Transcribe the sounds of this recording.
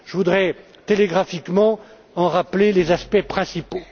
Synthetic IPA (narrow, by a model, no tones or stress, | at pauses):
ʒəvud̪ʁɛ | t̪eleɡʁafikmɑ̃ | ɑ̃ʁaplelezaspɛpχɛ̃sipo